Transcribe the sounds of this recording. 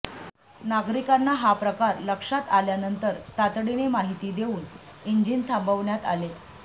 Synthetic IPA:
naɡɾikanːaɦapɾəkaɾləkʂat̪aljanənt̪əɾt̪at̪ɽinemaɦit̪iːd̪eʋuːn | iɲd͡ʑiːnt̪ʰambəʋɳjat̪a̰le

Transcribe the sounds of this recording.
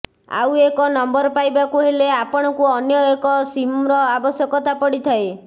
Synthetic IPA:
a̰wekɔnɔmbɔɾpajbakuɦeleapɔɽ̃ɔkuɔnjɔekɔsimɾɔabɔsjɔkɔt̪ʰapɔɽit̪ʰae

